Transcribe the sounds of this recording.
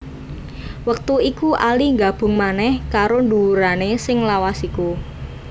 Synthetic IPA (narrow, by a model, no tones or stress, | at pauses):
wək̚t̪uikuʔaliŋɡab̥ʊ̤ŋmanɛhkaɾonduuɾanesɪŋlawasiku